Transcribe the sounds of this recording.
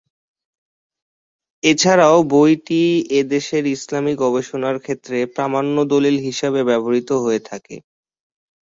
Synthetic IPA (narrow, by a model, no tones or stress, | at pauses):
et͡ɕʰaɾaobojʈied̪eʃeɾislamiɡɔbeʃonaɾkʰet̪ːɾepɾamanːod̪olilɦiʃabebɛboɾit̪oɦoet̪ʰakḛ